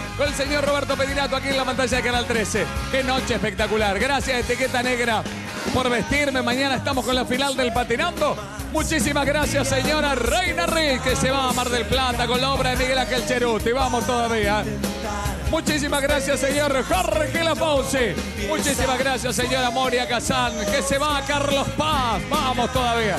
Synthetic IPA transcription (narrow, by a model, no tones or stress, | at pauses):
konelseɲorroβɛɾt̪opet̪inat̪oakienlafãnt̪aʒaðekanalt̪ɾesekeno̞t͡ʃeːhspek̚t̪akulaɾɣɾasjaset̪iket̪aneɣɾa | poɾβest̪iɾme̞maɲanaest̪amoskonlafinald̪elpat̪inand̪o̞ | mut͡ʃis̬imazɣɾasjaseɲoɾarejnarikeseβaːmaɾðelplat̪ako̞nlaoβɾaðemiɣelaxelt͡ʃeɾut̪iβamost̪oðaβia | mut͡ʃis̬imaɣɾasjaseɲoɾxorxelapawsi | mut͡ʃisimazɣɾasjaseɲo̞ɾamoɾjakasaŋkeseβaːkaɾlo̞spasbamo̞st̪oðaβia